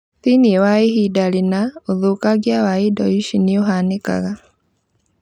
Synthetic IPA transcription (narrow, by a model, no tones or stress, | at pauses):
θiniewaihidalinaoðukaɡjawaidɔiʃinioɦaneka̰ɣa